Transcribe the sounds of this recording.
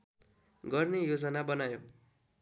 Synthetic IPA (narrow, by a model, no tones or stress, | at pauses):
ɡʌrnejod͡zʌnabʌnajo